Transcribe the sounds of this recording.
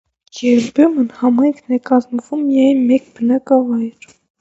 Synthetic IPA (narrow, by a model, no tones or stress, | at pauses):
jɛɾbumənhɑmɑjŋkʰnɛkɑzməvumjɛjnmɛkbənɑkɑvɑjɾ